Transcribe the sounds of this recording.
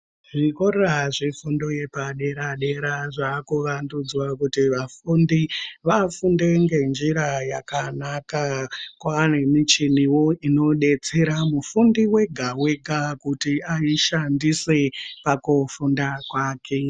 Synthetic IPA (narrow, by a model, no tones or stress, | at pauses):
ʐikoreraʐifundoje̞paɗe̞ɾaɗe̞ɾaʐaːkuʋandud͡zwakutiʋafundiʋafunde̞ŋɡe̞nd͡ʒiɾajakanakakwane̞mit͡ʃiniwo̞ino̞ɗe̞t͡se̞ɾamufundiwe̞ɡʱawe̞ɡʱakutiaiʃandise̞pakufundakwaːkʰe̞